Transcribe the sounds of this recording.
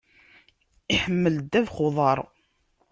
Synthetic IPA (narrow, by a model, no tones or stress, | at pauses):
iħəmːəld̪æðχoðˤɑɾˤ